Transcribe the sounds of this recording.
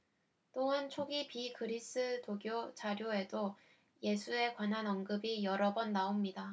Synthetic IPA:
t͈oɯnt͡ɕʰoɡipikʰɯɾis͈ɯtoɡjot͡ɕaɾjoe̞do | je̞sʰue̞kwanɦanʌŋɡɯbijʌɾʌbʌnːaomɲida

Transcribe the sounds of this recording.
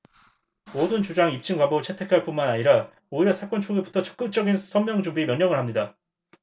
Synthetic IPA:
modɯnt͡ɕud͡ʑaŋip̚t͡ɕ͈ʰɯŋkwabʌbt͡ɕʰe̞tʰe̞kʰaɭp͈unmanaɲiɾa | oiɾʌsʰak͈ʌnt͡ɕʰoɡebutʰʌt͡ɕʌ̥k̚k͈ɯk̚t͡ɕ͈ʌɡinsʰʌnmjʌŋd͡ʑubiemjʌɲːʌŋɯɭhamɲida

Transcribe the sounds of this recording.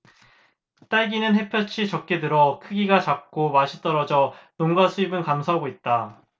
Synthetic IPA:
t͈aɭɡinɯnɦe̞pʰjʌt͡ɕʰit͡ɕʌk̚k͈e̞dɯɾʌkʰɯɡiɡat͡ɕak̚k͈omaɕʰit͈ʌɾʌd͡ʑʌnoŋɡasʰuibɯnkamsʰaɦaɡoit̚t͈a

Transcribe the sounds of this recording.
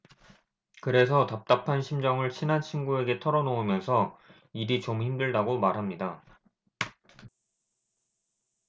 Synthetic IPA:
kɯɾe̞s̬ʰʌtap̚t͈apʰanɕʰimd͡ʑʌŋɯɭɕʰinant͡ɕʰinɡue̞ɡe̞tʰʌɾʌnoumjʌnsʰʌ | iɾit͡ɕomçimdɯɭdaɡomaɾɦamɲida

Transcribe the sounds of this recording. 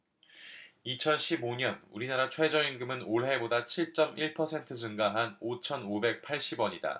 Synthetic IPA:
it͡ɕʰʌnɕʰiboɲʌnuɾinaɾat͡ɕʰwe̞d͡ʑʌinɡɯmɯnoɭɦe̞bodat͡ɕʰiɭt͡ɕ͈ʌmʔiɭpʰʌsʰe̞ntʰɯs̬ʰunɡaɦanot͡ɕʰʌnobe̞k̚pʰaɭɕ͈ibwʌɲida̰

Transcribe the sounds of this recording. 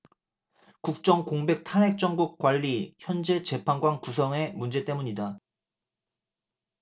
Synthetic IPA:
kuk̚t͡ɕ͈ʌŋkoŋbe̞k̚tʰaɦe̞k̚t͡ɕ͈ʌŋɡuk͈̚waʎːiçjʌnd͡ʑe̞t͡ɕe̞pʰanɡwaŋkusʰʌŋe̞mund͡ʑe̞t͈e̞muɲida

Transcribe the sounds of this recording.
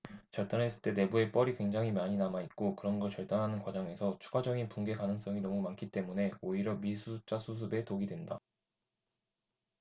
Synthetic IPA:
t͡ɕʌɭt͈anɦes͈ʰɯ̥t͈e̞ne̞bue̞p͈ʌɾikwe̞ŋd͡ʑaŋɦimaɲinamait̚k͈okɯɾʌnɡʌɭt͡ɕʌɭt͈anɦanɯnkwad͡ʑaŋe̞sʰʌt͡ɕʰu̥ɡad͡ʑʌɡinpunɡe̞kanɯŋs͈ʌŋinʌmumankʰit͈e̞mune̞oiɾjʌmisʰusʰɯp̚t͡ɕ͈asʰus̬ʰɯbe̞toɡidwenda

